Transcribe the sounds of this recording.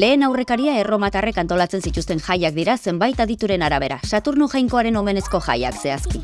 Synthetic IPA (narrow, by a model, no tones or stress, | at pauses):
le̞ːnawre̞kaɾiae̞ro̞mat̪are̞kant̪o̞lat͡se̞nsit̪ust̪e̞ŋʝajakd̪iɾase̞mbajt̪aðit̪uɾe̞naɾaβ̞e̞ɾa̰sat̪uɾnuʝajŋko̞aɾe̞no̞me̞ne̞sko̞ʝa̰ja̰kse̞aski